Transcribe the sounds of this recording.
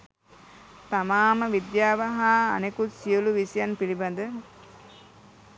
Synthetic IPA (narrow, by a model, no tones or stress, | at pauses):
t̪amaːməʋid̪jaːʋaɦaːnekut̪sijoluʋisijanpiliband̪ə